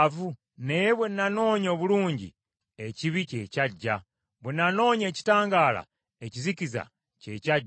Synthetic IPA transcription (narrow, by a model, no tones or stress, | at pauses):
vu | nejeβwe̞nːano̞ːɲo̞ːβuluːɲɟḭ | eciβice̞caɟːa | βwenːano̞ːɲe̞ːci̥taːŋɡaːla̰ | eciziciza̰ | ce̞̰caɟ